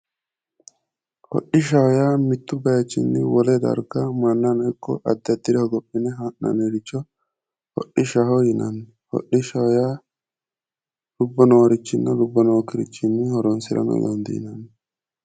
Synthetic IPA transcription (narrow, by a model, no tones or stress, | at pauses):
hɔ̰ɗɪʃ̬ɐhɔjaːmɪt̪ːʊbɐjɐt͡ʃːɪnːɪwɔlɛd̪ɐ̰ɾɡɐmɐnːɐnɔkːɔʔɐd̪ːɐd̪ɪɾɛhɔɡɔpʼːɪnɛɦaːʔnɐ̰neɾɪt͡ʃːɔ | hɔ̰ʔːɪʃɐhɔjɪnɐnː | hɔ̰ʔɪʃɐhɔjaː | lʊbːɔnowɾɪt͡ʃːɪnːɐlʊbːɔnokɪɾɪt͡ʃːɪnːɪhɔɾɔnsɪɾɐ̰nɔ̰d̪ɔ̰nd̪ḭnɐn